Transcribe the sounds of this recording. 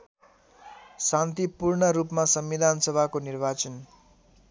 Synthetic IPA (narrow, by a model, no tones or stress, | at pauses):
sãnt̪ipurɳʌɾupmasʌmːid̪ʱansʌbʱakonirbat͡sʌn